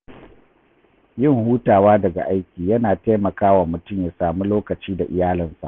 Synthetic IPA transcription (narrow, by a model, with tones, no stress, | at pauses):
jɪ˦˨ŋhuː˦taː˨waː˦dɐ˨ɡa̰˨ʔa˦jkʲiː˨jɐ˦naː˨teː˦mɐ˨kaː˦wa˨mʊ˨tʊ˦mjaː˨saː˨mu˦loː˦kɐ˨t͡ʃiː˦da˨ʔɪ˨jaː˦lɪ˨nsa̰˨ʔ